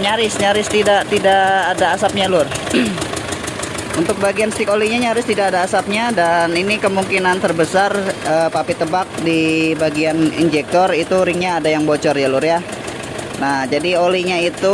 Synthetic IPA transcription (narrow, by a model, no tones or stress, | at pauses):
ɲaɾɪsɲaɾɪst̪idaʔt̪idaʔadaːsap̚ɲalʊr | unt̪ʊk̚baɡianst̪ɪkoliɲaɲaɾɪst̪idakadaːsap̚ɲadaninikəmuŋkinant̪ərbəsarəːpapit̪əbak̚dibaɡianḭnd͡ʒɛk̚t̪ɔrit̪uɾiŋɲaːdajaŋbot͡ʃɔrjalʊrja | nahd͡ʒadioliɲait̪u